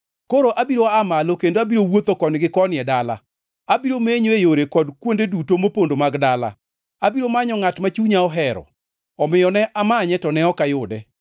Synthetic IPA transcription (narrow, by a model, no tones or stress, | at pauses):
koɾoʔabiɾoamalokendoabiɾowot̪okɔnɪɡɪkɔnɪɛdala̰ | abiɾomeɲoejoɾekɔdkwondedutomopondomaɡdala̰ | abiɾomaɲɔŋatmat͡ʃuɲaɔɦɛɾɔ̰ | ɔmɪjɔnɛʔamaɲɛtɔnɛɔkajʊdɛ